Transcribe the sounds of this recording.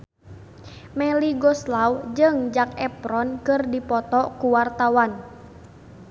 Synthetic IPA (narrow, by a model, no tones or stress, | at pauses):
mɛliɡɔslawd͡ʒɨŋd͡ʒakɛpɾɔnkɨrdipɔt̪ɔkuwart̪awan